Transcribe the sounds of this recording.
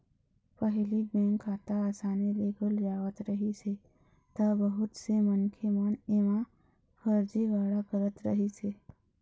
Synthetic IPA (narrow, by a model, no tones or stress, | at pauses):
pəɦliɡɛ̃ŋkʰaːt̪aaːsaːneleːɡəld͡ʒaːwət̪ɾəɦise | t̪abəɦʊt̪semənkʰeməneːmã | fʰəɾd͡ʒiɡaːɽakəɾət̪ɾə̰ɦiseː